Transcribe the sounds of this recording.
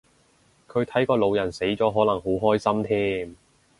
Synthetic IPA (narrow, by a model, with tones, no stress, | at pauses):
kʰɵ˨˧ɥt̪ʰɐ˨˥jkɔː˧lo˨˧wjɐ˨˩nse˨˥jt͡sɔː˨˥ɦɔː˨˥lɐ˨˩ŋɦo˨˥wɦɔː˥jsɐ˥mt̪ʰiː˥m